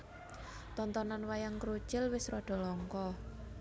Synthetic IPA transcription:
t̪ɔnt̪ɔnanwajaŋkɾut͡ʃɪlwɪsrɔɖ̥ɔ̤lɔŋkɔ

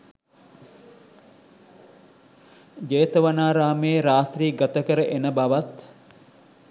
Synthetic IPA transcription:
d͡ʒeːt̪əʋanaːɾaːmeːɾaːt̪riːɡat̪əkəɾəʔenəbaʋat̪

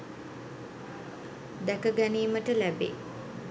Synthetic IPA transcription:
d̪ækəɡæniːməʈəlæbḛː

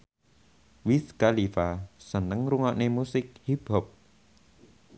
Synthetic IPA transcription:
wiskalifasənəŋɾuŋɔʔnemusɪk̚hib̥ɔp̚

